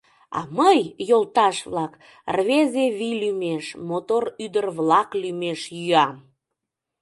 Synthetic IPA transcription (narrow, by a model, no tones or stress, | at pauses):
ɑ̰məjjolˠt̪ɑʃβlɑk | rβezeβilymeʃmot̪oryd̪ərβlɑklymeʃjyɑm